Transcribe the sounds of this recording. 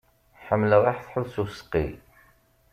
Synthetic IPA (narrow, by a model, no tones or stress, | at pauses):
ħəmːəlʁˤɑħθħuðsusə̥qːḭ